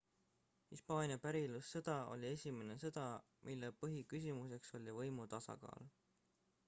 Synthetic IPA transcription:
hispɑːnʲijɑpæɾilusːɤd̪̥ɑo̞̰lʲie̞sʲime̞ne̞sɤd̪̥ɑ | mʔilːepɤɦikys̬imuse̞kso̞lʲivɤjmut̪ɑsɑ̰kɑ̰ːl

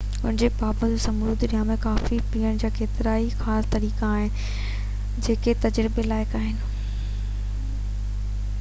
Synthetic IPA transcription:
ʊnɪ̃d͡ʑebaːbəd͡ʑosɐmud̪ɾijãːmẽkaːfipiːəɽ̃d͡ʑaːkʰeːt̪ɪɾaːixaːst̪ɐɾiːkaːɦɪn | d͡ʑeːket̪ɐd͡ʑɾɪbelaːɪkaːɦɪnɪ̆

